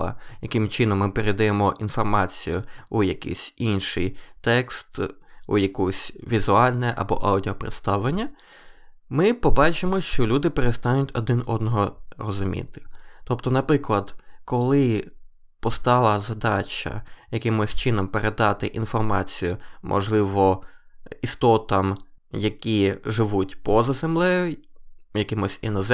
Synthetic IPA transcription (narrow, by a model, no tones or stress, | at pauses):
ɐ̰jɐkɪmt͡ʃɪnɔmːɪpeɾed̪ɐjemɔʔin̪fɔrmɑt͡sʲijʊujɐkḭsʲinʃɪjt̪ɛkst̪ṵjɐkusʲʋʲizʊɑlʲnɛʔɐ̰bɔ̰ʔɑwdʲiɔpɾɪ̰t̪st̪ɑwlˠenʲːɐ | mɪpɔbɑt͡ʃɪmɔʃt͡ʃɔlʲud̪ɪpeɾest̪ɑnʲʊtʲɔd̪ɪnɔd̪nɔɦɔrɔzʊmʲḭt̪ɪ̥t̪ɔpt̪ɔnɐpɾɪklˠɐd̪kɔlˠɪ | pɔst̪ɑlˠɐzɐd̪ɑt͡ʃɐ̰jɐkɪmʊsʲt͡ʃɪnɔmpeɾed̪ɑt̪ɪʔinfɔrmɑ̰t͡sʲijʊmʔɔ̰ʒlˠɪʋɔ | ist̪ɔt̪ɐmjɐkʲiʒɪʋutʲpɔzɐzemlˠɛjʊjɐkɪmʊsʲḭnɔz